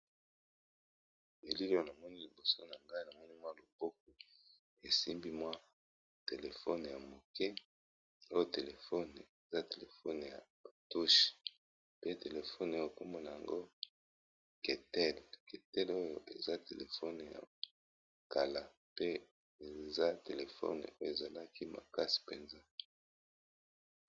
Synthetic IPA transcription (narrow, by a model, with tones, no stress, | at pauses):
e˨li˦o˦jo˦na˨mɔ˦ni˦li˨bo˨so˦na˨ŋɡa˦i˦na˨mɔ˦ni˦mwa˦lo˨b̥o˦k̚o˨ | e˨si˦mbi˦mwa˦ | te˨le˨fo˦n˨ja˨mo˨kɛ˦ | o˦jo˦te˨le˨fɔ˦n˨e˨za˦te˨le˨fo˦n˨ja̰˨tu˦ʃ | pe˦te˨le˨fo˦no˦o˨ko˦mbo˨na˨ja˨ŋɡo˦ | ke˨tɛ˦˨lke˨tɛ˦lo˦jo˨ʔe˨za˦te˨le˨fo˦n˨ja̰˨ | ka˨la˨ | pe˦ | e˨za˦te˨le˨fo̰˦n˨o˦jo˦˨e˨za˨la˦ki˦ma̰˨ka˦si̥˨pe˨nza˦